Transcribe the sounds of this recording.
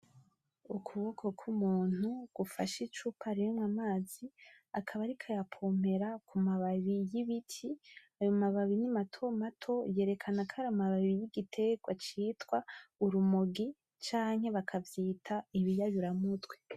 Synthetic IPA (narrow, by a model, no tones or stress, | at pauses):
ukʰuβokʰo̞kʰumuːn̥huɡ̥ufa̰ʃit͡ʃupaɾijomwamaːzi | akʰaβaɾikʰajapʰo̞me̞ɾakʰumaβaβijiβitʰiajomaβaβinimatʰo̞matʰo̞je̞ːɾe̞kʰanakaɾamaβaββijiɡitʰe̞ɡwat͡ʃiːtwauɾumoɡi | t͡ʃaːŋhe̞βakʰavjiːtʰaiβijajuɾamutɡwe